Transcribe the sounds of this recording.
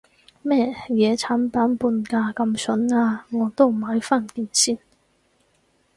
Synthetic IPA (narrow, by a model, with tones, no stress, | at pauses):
mɛː˥˩jɛː˨˧t͡sʰaː˨˥npaː˨˥npuː˧nkaː˧kɐ˧msɵ˨˥naː˧ŋɔː˨˧˥t̪o˥wm̩˨˩ɦɐ˨˥jfaː˥˩nkiː˧˩nsiː˥˩n